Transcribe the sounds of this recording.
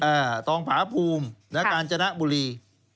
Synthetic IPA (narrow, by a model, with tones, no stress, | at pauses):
ʔaː˧˩t̪ɔː˧ŋpʰaː˨˩˦pʰuː˧mna˦˥kaː˧nt͡ɕa˧na˦˥ʔbu˧liː˧